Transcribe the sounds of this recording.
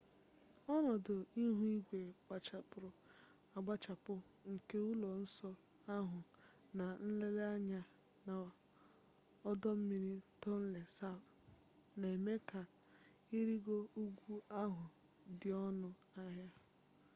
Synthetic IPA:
ɔ˦nɔ˨dʊ˨i˦ɦu˦i˦ɡʷe˨ɡ͡ba˨t͡ʃa˨pʊ˨ɾʊ˨ | a˨ɡ͡ba˦t͡ʃa˨pʊ˦ | ŋ̩˨ke˦u˦lɔ˨n̩˦sɔ˦ | a˦ɦʊ˨ | na˨n̩˦le˦la˦ɲa˦ | na˨ | ɔ˦dɔ˦m̩˦mi˦ɾi˦tɔ˦n̩˦le˨sa˦b | na˨e˨me˦ka˨ | i˦ɾi˦ɡo˦u˦ɡʷu˦a˦ɦʊ˨ | dɪ˨ɔ˦nʊ˦ | a˦ɦja˦

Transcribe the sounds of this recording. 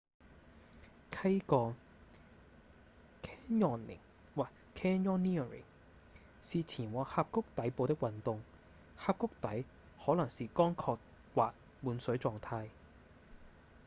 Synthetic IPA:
kʰɐ˥jkɔː˧ | kʰɛː˥njɔː˨˩nlɪ̰˨˩ŋ | waː˨ | kʰɛː˥njɔː˥nːi˥ɐ˨ɹɪ̰˨˩ŋ | siː˨t͡sʰiː˨˩nwɔː˨˥k̚haː˧p̚kʊ˥k̚t̪ɐ˨˥jpo˨˧wt̪ɪ˥k̚wɐ˨nt̪ʊ˨ŋ | haː˧p̚kʊ˥k̚t̪ɐ˨˥j | hɔː˨˥lɐ˨˩ŋsiː˨kɔː˥ŋkʰɔː˧k̚ | waː˨k̚ | muː˨˧nsɵ˨˧˥ɥt͡sɔː˨˧ŋt̪ʰaː˧j

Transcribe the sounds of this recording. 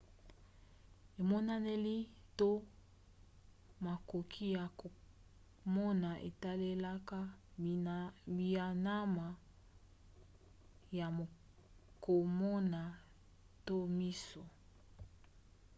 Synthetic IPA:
e˨mɔ˦na˦ne˦li˦to˦ | ma˨ko˨kʰi˦ja˨ | mɔ˦na˨ʔḛ˨ta˦le˦la˦ka˦ | bi˨a˨na˦ma˨ | ja˨ | ko˨mɔ˦na˨ | to˦mi˦so˨

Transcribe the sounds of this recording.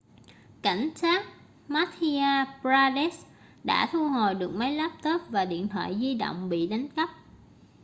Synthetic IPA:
ka˧˩jŋ̟saː˦˥k̚ | maː˦˥t̪ʰi˧aː˧pzaː˧ɗe˦˥s | ɗa̰ː˧˥t̪ʰu˧ɦo˨˩jɗɨ˨˩ək̚mə˨˦jlaː˦˥p̚t̪o˦˥t̚vaː˨˩ɗḭ˧˨ənt̪ʰwa̰ː˧˨jzi˧ɗo̰˧˨wŋ͡mɓḭ˧˨ɗa˨˦jŋ̟kə˦˥p̚

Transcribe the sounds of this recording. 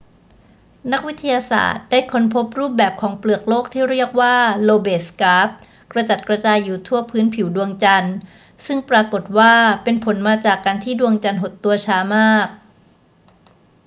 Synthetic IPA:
na˦˥k̚wi˦˥t̪ʰːa˧jaː˧sa̰ː˨˩t̪̚d̥aː˥˩jkʰo˧˥npʰo˦˥p̚ɾuː˥˩p̚bɛː˨˩p̚kʰɔː˩˦ŋplɯ˨˩ək̚loː˥˩k̚t̪ʰiː˥˩ɾi˥˩ək̚waː˥˩loː˧beː˨˩skaː˦˥p̚ | kɾa˧t͡ɕa˨˩t̪̚kɾa˧t͡ɕaː˧jːuː˨˩t̪ʰu˥˩ɐpʰɯː˦˥npʰi˨˩˦wdu˧əŋt͡ɕa˧n | sɯ˥˩ŋpɾaː˧ko˨˩t̪̚waː˥˩pe˧npʰo˩˦nmaː˧t͡ɕaː˨˩kːaː˧nt̪ʰiː˥˩du˧əŋt͡ɕa˧nɦo˨˩t̪ːu˧ɐt͡ɕʰaː˧˥maː˥˩k̚

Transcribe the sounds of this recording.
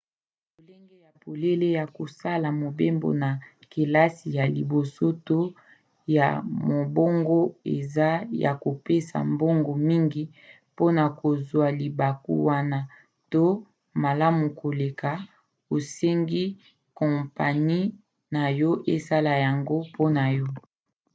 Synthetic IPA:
bo˨le˦ŋɡe˦ja˨po˨le˦le˦ja˨ko˨sa˦la˨mo˨be˦mbo̰˨na˨ | ke˨la˦si˨ja˨li˨bo˨so˦to˦ | ja̰˨mo˨bo˦ŋɡo˦ḛ˨za˦ja̰˨ko˨pe˦sa̰˨mbo˦ŋɡo˨mi˦ŋɡi˦ | po˦na˨ko˨zwa˨li˨ba˨kṵ˦wa˦na˦ | to˦ | ma˨la˦mu˨ko˨le˨ka˨ | o˨se˦ŋɡi˦ | kɔ̃˨mpa˨ni˦ | na˨jɔ˦ʔe˦sa˦la˨ja˨ŋɡo˦pʰo˦na˨jɔ˦

